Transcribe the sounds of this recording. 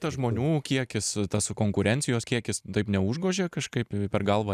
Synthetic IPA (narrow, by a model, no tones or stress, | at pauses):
t̪ɐʒmoːnʲuːkʲiɛkʲɪst̪ɐskoːŋkʊɾʲɛnʲt̪sʲɪjoːskʲiɛkʲɪst̪ɐɪpnʲɛʊʒɡoːʒʲeːkɐʃkɐɪppʲɛɾɡɐlˠʋɐ